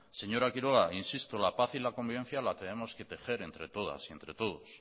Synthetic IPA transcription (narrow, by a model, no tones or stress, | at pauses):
se̞ɲo̞ɾakiɾoɣainsist̪olapaθilako̞mbiβe̞n̟θjalat̪e̞ne̞mo̞ske̞t̪e̞xe̞ɾe̞nt̪ɾe̞t̪o̞ða̰sie̞nt̪ɾe̞t̪o̞ð̞os